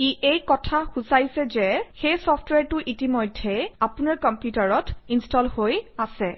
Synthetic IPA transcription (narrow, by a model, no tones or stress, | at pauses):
iejkɔtʰaxusajsɛzɛxejsɔftwɛɹtʊʔitimojdʱːɛapʊnaɹkɔmpjutaɹɔtinstɔlhojasɛ